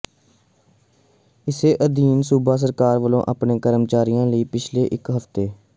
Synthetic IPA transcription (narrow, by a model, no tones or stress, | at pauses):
ɪseːʔəd̪iːnsuːbaːs̬əɾkaːɾʋəlõ̰ːʔaːpɳeːkəɾəmt͡ʃaːɾijãːləiːpɪt͡ʃʰleːʔɪkɦəft̪eː